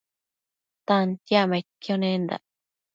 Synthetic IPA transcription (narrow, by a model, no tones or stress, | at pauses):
t̪ant̪jamekːjonẽnd̪a̰